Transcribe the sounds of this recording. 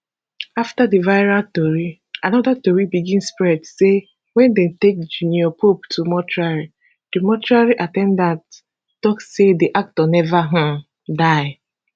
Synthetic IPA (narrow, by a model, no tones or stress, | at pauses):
aftadivaɪɹatɔɹi | anɔdatɔɹibiɡĩnspɹɛdse | wɛ̃ndɛ̃mtek̚d͡ʒuniɔpʰoptʰumɔtʰɹaɹi | d̥imɔtɹaɹiʔatɛ̃ndãnt | tɔkssediʔak̚tɔnɛvaɦã | daɪ